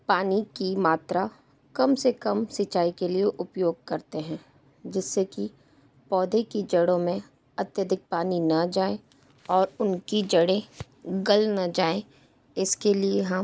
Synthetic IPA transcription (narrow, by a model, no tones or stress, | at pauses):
paːnikimaːt̪ɾa | kɐmsekɐmsɪt͡ʃaːikelieʔʊpjoːɡ̚kɐɾt̪eɦɛ̃ː | d͡ʒɪsːeki | pɔːd̪ʱekid͡ʒɐɽõmẽ | ɐt̪jəd̪ʱɪk̚paːninɐd͡ʒaːẽ | ɔːɾʊnkid͡ʒɐɽẽ | ɡɐlnad͡ʒaːẽ | ɪskelieɦɐm